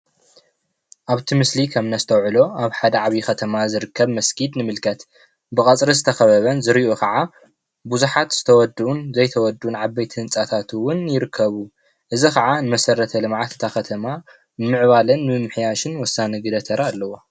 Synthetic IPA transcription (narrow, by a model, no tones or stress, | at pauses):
ʔaβt̪ʰimɨslikʰɐmnɐzɨt̪ʰɐwʕɨlo̞ʔaβħad̪ɐʕaβixɐt̪ʰɐmazɨɾɨkʰːɐβmɐskʰid̪nɨmɨlkʰɐt̪ | bɨkʼɐt͡sʼɾizɨt̪ʰɐxɐβɐβɐnzɨɾiʔokʰɐʕa | buzuħat̪z̥ɨ̥t̪ʰɐwɔd̪ʔunzɐjt̪ʰɐwɔd̪unʕaβbejt̪ʰiɨnt͡sʼat̪ʰat̪ʰwʊnjɪɾɨkʰːɐβu | ʔɨzikɐʕanɨmɐsɐɾɐt̪ʰɐlɨmʕat̪ʰɨ̥t̪ʰaxɐt̪ʰɐma | nɨmɨʕβalɐnmɨmɨħjaʃɨnwɔsːanɨɡɨd̪ɐt̪ʰɐɾʔaːlːɐwo